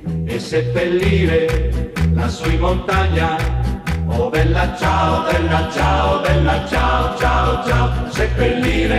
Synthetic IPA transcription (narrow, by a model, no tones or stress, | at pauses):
esːepːelːiːɾe | lasuimont̪aɲːa | od̪ɛlːat͡ʃaod̪ɛlːat͡ʃaod̪ɛlːat͡ʃaot͡ʃaot͡ʃasepːelːiːɾe